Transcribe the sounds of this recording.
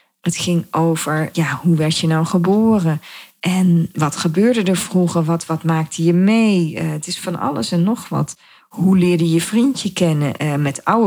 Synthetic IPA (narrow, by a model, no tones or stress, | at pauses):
ətχɪŋowvəɹjahuʋɛɹtjənawχəboːrəʔɛnʋɑtχəbøːɹdədəɹv̥ruχəʋɑtʋɑtmaːk̚tʰəjəmejəətɪsfɑnʔɑ̰lə̰sɛnːɔχʋɑ̰t | hulɪːɹdəjəv̥rintjəkɛnəʔmɛtaw